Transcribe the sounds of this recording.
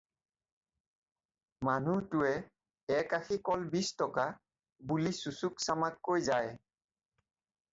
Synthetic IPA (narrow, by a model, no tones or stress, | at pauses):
manutʊɛ | ɛkaxʰikɔlbistɔka | bulisusuksamakːojzaj